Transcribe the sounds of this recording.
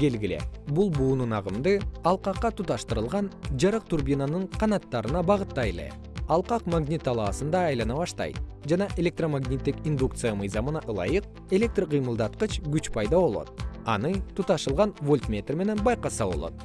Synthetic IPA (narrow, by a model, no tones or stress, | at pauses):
ɡe̞lɡʲile̞̰bulˠbuːnunɑʁɯmd̪ɯɑlˠqɑqːɑt̪ut̪ɑʃt̪ɯɾɯlˠʁɑnd͡ʒɑɾɯq̚t̪urbʲinanɯɴqʰɑnɑt̪ːɑɾɯnɑbɑʁɯt̪ːɑjelˠḛ | ɑlˠqɑqmaɡnʲit̪ːɑlˠɑːsɯnd̪ɑːjlˠɑnɑβɑʃt̪ɑ̰jt̪̚d͡ʒɑnɑʔe̞lʲe̞k̚t̪romaɡnʲit̪ːikind̪ukt̪sɨjamɯjzɑmɯnɑʔɯlˠɑ̰jɯq̚ | e̞lʲe̞k̚t̪rqʰɨjmɯlˠd̪ɑt̪̚qɯt͡ʃɡyt͡ʃpʰɑjd̪ɑβo̞lˠo̞̰t̪̚ɑ̰nɯt̪ʰut̪ɑʃɯlˠʁɑnvolʲt̪mʲe̞t̪ʲrme̞ne̞nbɑjqɑsɑβo̰lˠo̞̰t̪̚